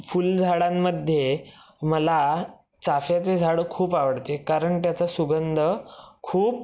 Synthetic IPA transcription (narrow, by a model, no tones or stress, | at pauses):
fuld͡zʱaɽamːəd̪ʱje | məla | t͡safjat͡sed͡zʱaɽəkʰuːpaʋəɽt̪ekaɾəɳt̪jat͡sasuɡənd̪ʱəkʰuːp̚